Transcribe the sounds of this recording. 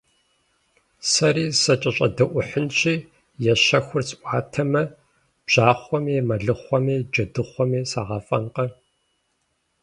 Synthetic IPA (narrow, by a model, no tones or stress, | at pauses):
sɐɾiːsɐt͡ʃʼɐɕʼɐ̰dɐʔʷʊħənɕʰiː | jɛɕɐxʷʊrsʼʔʷɑːtʰɐmɐ | b̥ʑ̥aːχʷɔmimɐɮɨχʷɔmiːd͡ʒɐdɨχʷɔmiːsaːʁɐfʼɐnqɐ